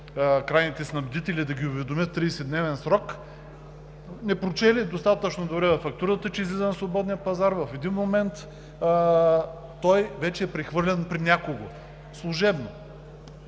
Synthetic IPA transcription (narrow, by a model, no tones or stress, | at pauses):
kɾajnit̪ɛsnɐblʲʊd̪it̪ɛlʲid̪ɐɡʲiʊvɛd̪omʲət̪ːɾiːsɛd̪nɛvɛnsɾɔk | nɛpɾot͡ʃɛlid̪ost̪at̪ət͡ʃnod̪obɾɛvɐfɐkt̪uɾət̪ət͡ʃɛizlʲizənɐsvˠobɔd̪nijəpɐzaɾvɐfɛd̪inmomɛnt̪ | t̪ɔjvɛt͡ʃɛːpɾɛxvɤɾlʲɛnpɾinʲakoɡo | slˠuʒɛbno